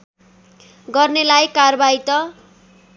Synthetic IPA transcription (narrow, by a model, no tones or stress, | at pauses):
ɡʌrnelajkarbait̪ʌ